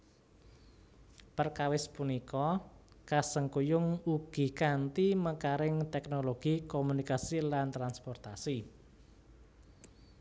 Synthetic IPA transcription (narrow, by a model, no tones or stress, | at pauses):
pərkawɪspunikɔ | kasəŋkujʊŋuɡ̥i̤kant̪iməkaɾɪŋt̪ɛknoloɡ̥ikomunikasilant̪ɾanspɔrt̪asi